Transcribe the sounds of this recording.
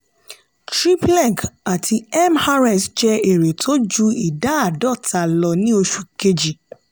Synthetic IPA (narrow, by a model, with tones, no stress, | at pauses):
tɾi˦plɛ̃˦˨ka˨tʰi˧ɛ˦mha˦ɾɛ˦˨sd͡ʒɛ˦e˨ɾe˨tʰo˦d͡ʒu˦i˨da˨˦a˦˨dɔ˦˨ta˨lɔ˧nĩ˦o˧ʃu˧ke˧d͡ʒi˨